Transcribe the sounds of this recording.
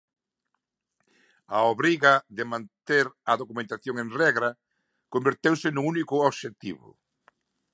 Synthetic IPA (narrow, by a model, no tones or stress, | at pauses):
aoβɾiɣɐðɪmãnt̪eɾɐðokumẽnt̪aθjoŋeŋrɛɣɾɐ | kombeɾt̪ewsɪnũŋunikʊoβʃet̪ḭβʊ̰